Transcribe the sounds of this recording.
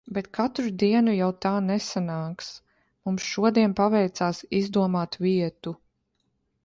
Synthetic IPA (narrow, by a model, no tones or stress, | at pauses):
bet̪kʰat̪ɾud̪iɛnujawt̪aːnɛsanaːks | mumsʃuɔd̪iɛnpavɛjt̪saːsizd̪uɔmaːt̪viɛt̪u